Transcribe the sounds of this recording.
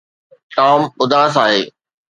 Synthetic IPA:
ʈaːmʊd̪ʱaːsaːɦeː

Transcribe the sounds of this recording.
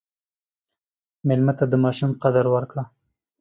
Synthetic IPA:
mɪlmat̪ad̪əmɑʃumqad̪aɾwaɾkɽa

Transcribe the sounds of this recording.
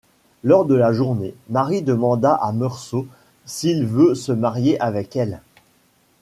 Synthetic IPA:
lɔʁd̪əlaʒuʁnemaʁid̪əmɑ̃d̪aʔamœʁso | silvøsəmaʁjeʔavɛkɛl

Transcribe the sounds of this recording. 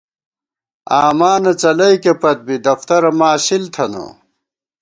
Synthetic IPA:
aːmaːnɐt͡sɐlɐjkepɐt̪̚bid̪ɐft̪ɐɾɐmaːɕilt̪ʰɐno̰

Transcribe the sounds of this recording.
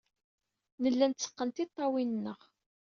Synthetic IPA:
nəlːænt̪t͡sːə̥qːənt̪it̪ˤːɑwinnːəʁ

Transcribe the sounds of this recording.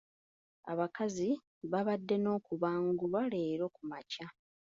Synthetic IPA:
a̰βakazi | βaβadːe̞no̞ːkuβaːŋɡuβwale̞ːɾo̞kumaca

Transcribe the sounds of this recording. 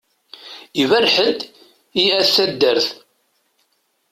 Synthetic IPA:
ivæɾħəd̪ | iæθːæd̪ːəɾθ

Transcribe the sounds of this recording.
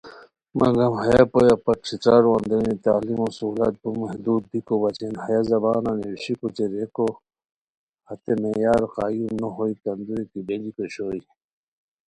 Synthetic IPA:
mɐ̰ɡɐmhɐjapojapɐʈʂʰit͡saːɾwɐnd̪ɐnit̪aːlimosuːlɐ̰t̪̚bumɐɦd̪uːd̪̚ːikobɐt͡ɕenhɐjazɐbaːnanewiɕikut͡ɕeɾeko | hɐt̪emejaːɾqaːjumnoɦoik̪ɐnd̪uɾit̪ibelikoɕoːi

